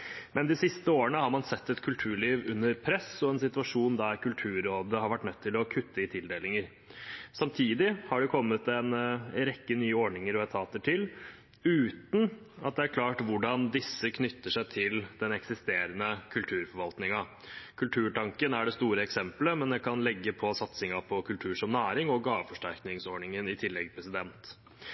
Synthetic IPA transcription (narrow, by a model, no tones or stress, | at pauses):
mʔɛnd̪ɪsɪst̪əoːəɳəhɑɾmɑnsɛt̪ːɛt̪kʰʉlt̪ʰʉːɭiːʋʉnːəɾpʰɾɛsɔɛnsɪt̪ʉɑʂuːnd̪æɾkʰʉlt̪ʰʉːɾoːd̪əhɑɾʋæʈːnœt̪ʰːɪlɔkʰʉt̪ʰːəɪt̪ʰɪld̪eːlɪŋəɾ | sɑmt̪ʰiːd̪ɪhɑɖɛkʰɔmːət̪ɛnɾɛkːənyːəɔɳɪŋəɾɔɛt̪ʰɑːt̪əʈʰɪl | ʉːt̪n̩ | ɑ̰t̪̚d̪ɛæɾkʰlɑːʈʋʊɖɑnd̪ɪsːəkʰnʏt̪ːəʂæɪt̪ʰɪld̪̥ɛnɛksɪst̪eːɾənəkʰʉlt̪ʰʉːɾfɔɾʋɑlt̪nɪŋɑ | kʰʉlt̪ʰʉːʈɑŋkənæɖɛst̪uːɾəɛksɛmpləmɛnd̪ɛkʰɑnlɛɡːəpʰɔsɑt̪sɪŋɑpʰɔkʰʉlt̪ʰʉːʂɔmnæːɾɪŋɔɡɑːʋəfɔʂʈæɾknɪŋsɔːɳɪŋənɪt̪ʰɪlːɛɡpʰɾɛsɪd̪ɛnt̪